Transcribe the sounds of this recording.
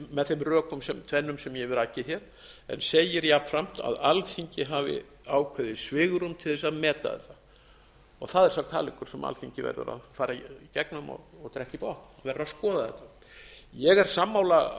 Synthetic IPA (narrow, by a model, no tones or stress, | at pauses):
mɛðθemrœːkʏmsɛmt̪ʰvɛnːʏmsɛmjɛvɛɾacːɪçjɛɾ̥ | ɛ̰nseːjɪɾjapfɾam̥t̪a̰ðalfiɲcɪɦaːvɪ̰ | aːwkʰvɛðɪsvɪːɣʏɾʏmt̪ʰɪlθɛsaðmɛːt̪a̰ðɛ̰t̪a | ɔɣθaðɛɾsawkʰaːlɪŋkʏɾ̥sɛma̰lθfiɲcɪvɛ̰ɾðʏ̰ɾa̰ðfaːɾaicɛknʏmɔ̰ɣɔɣt̪ɾɛhcipahk̪naðvɛrːaðskɔːðaðɛt̪a | jɛɣɛɾ̥samːaːwla